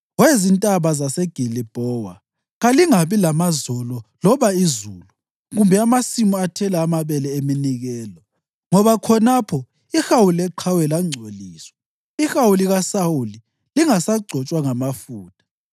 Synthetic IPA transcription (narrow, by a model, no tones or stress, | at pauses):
wezintʼaβazasɛɡ̥ʱilib̥ʱɔwa̰ | ɣaliŋaβilamazɔlɔlɔβaizulu | ɣumbʱɛamasimɔatʰɛlaːmaβɛlɛeminiɣɛːlɔ | ŋɔβakʰɔnapʰɔ | ixawulɛǃʰawɛlaŋ͡ǀʱoliːswɛ | ixawuliɣasawuli | liŋasaɡ͡ǀʱɔt͡ʃʼwaŋamafuːtʼḁ